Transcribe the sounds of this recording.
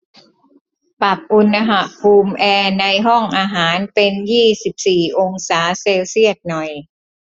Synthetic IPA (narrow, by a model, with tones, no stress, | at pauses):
pa˨˩p̚ʔu˧nːa˧ɦa˨˩ʔpʰuː˧mʔɛː˧na˧jɦɔ˥˩ŋʔaː˧ɦaː˩˦npe˧njiː˥˩si˨˩p̚siː˨˩ʔo˧ŋsaː˩˦seː˧wsi˥˩ət̪̚nɔ˨˩j